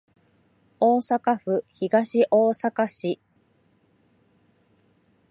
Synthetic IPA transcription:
oːsakaɸɯ̟çiɡaɕiʔoːsakaɕi

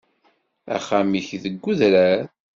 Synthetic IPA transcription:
æ̰χamiçðəɡːuðɾæɾ

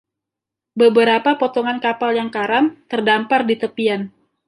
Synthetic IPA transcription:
bəbəɾapapot̪ɔŋankapaljaŋkaɾamt̪ərdampardit̪əpian

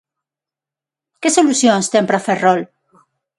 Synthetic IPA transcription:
kesolusjonst̪empɾaferrol

